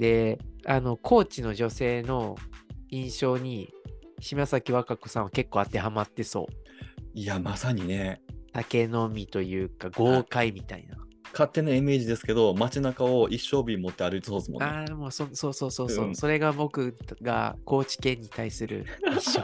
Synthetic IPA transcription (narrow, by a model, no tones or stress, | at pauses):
d̪e̞ano̞kʰo̞ːt͡ɕino̞ʑo̞se̞ːno̞ | ĩɰ̃ɕo̞ːɲ̟iɕimasakʲiβakako̞sãake̞kːoːat̪e̞hamat̪ːe̞so̞̰ːiamasaɲ̟ine̞t̪ake̞no̞mʲit̪o̞jɯ̟ːkaɡo̞ːkaimʲit̪a̰ḭnakat̪ːe̞naime̞ːʑid̪e̞sɨ̥ke̞d̪o̞mat͡ɕinakao̞ʔiɕːo̞ːbʲimot̪ːe̞aɾɯit͡sɨ̥soːsɨmo̰naamo̞ːsonso̞ːso̞ːso̞ːo̞ːso̞ɾe̞ɡabo̞kɯ̟ɡa̰ko̞ːt͡ɕi̥kẽ̞ɲ̟ːit̪aisɨɾɯ̟̰io